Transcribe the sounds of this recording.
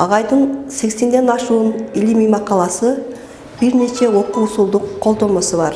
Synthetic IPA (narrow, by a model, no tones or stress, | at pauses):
ɑ̰ʁɑjd̪ənse̞kse̞nd̪e̞nɑʃuːnilimijmɑqɑlˠɑsɯ | b̥iɾne̞t͡ʃe̞wo̞qusulˠd̪uqʰːo̞lˠd̪o̞mo̞sɯβɑɾ